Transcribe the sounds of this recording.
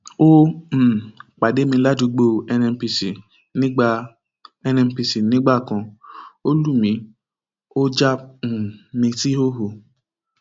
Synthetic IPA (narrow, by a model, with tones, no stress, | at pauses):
o˦m̩˨k͡pa˨de˦mĩ˧la˦du˨˧˦ɡ͡bo˧˨ɛ˧nɛ̃˧˦pi˧si˨ | nĩ˦ɡ͡ba˧ | ɛ˧nɛ̃˧m˦pi˧si˨nĩ˨˦ɡ͡ba˦˨kã˧o˦lu˦˨mĩ˧ | o˦d͡ʒa˦m̩˨mĩ˧ti˦o˦ɦo˨